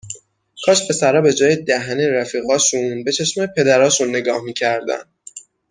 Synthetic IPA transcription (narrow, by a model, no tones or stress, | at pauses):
kʰɒːʃpʰe̞sæɾɒːbe̞d͡ʒɒːjed̪æɦæneɾæfiːɣɒːʃunbe̞t͡ʃʰeʃmepʰe̞d̪æɾɒːʃunːe̞ɡɒːhmiːcʰæɾd̪æ̰nd̪